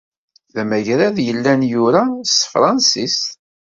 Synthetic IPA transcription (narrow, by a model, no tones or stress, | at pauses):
ðæmæjɾæðjəlːænjʊɾast̪fɾˤɑnsist